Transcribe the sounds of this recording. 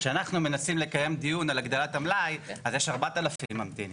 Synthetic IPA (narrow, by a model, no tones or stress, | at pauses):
ʃeanaχnume̞nasimle̞kaje̞md̪ijunalaɡd̪olat̪amlajazjeʃaʁbat̪alafimamt̪ḭn